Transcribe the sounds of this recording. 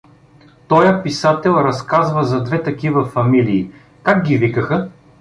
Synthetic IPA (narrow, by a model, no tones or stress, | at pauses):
t̪ɔjəpisat̪ɛlˠɾɐskazvɐzɐd̪vɛt̪ɐkivɐfɐmiliː | kakɡʲivikəxə